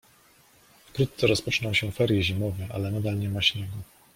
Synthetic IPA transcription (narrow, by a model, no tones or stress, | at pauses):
fkɾut̪t̪sɛɾɔspɔt͡ʂnɔwɕɛfɛɾjiʑimɔvɛʔalɛnad̪alɲɛmaɕɲɛɡɔ